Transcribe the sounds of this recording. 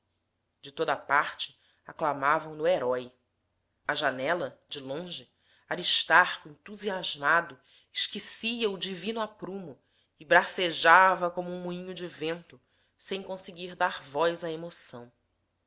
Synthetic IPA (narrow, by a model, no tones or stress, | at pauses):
d͡ʒɪt̪od̪ɐpaɾt͡ʃɪ̥ | aklamavɐ̃w̃nʊeɾɔj | ɐʒanɛlɐd͡ʒɪlõʒɪ | aɾiʃt̪aɾkʊẽnt̪uziaʒmad̪ʊ | ɪʃkisiɐʊd͡ʒivĩnʊapɾũmʊ | ɪbɾaseʒavɐkõmʊũmuĩɲʊd͡ʒɪvẽnt̪ʊ | sẽj̃kõsɪɡiɾd̪aɾvɔjzɐemosɐ̃w̃